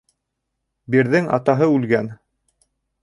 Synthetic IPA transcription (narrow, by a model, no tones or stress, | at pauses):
biɾðɘŋɑ̰t̪ɑɦɤʉlɡæn